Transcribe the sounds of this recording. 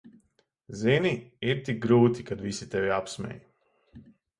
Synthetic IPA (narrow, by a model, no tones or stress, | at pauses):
ziniiɾt̪ik̚ɡɾuːt̪ikad̪visit̪ɛvʲiapsmʲɛ̰j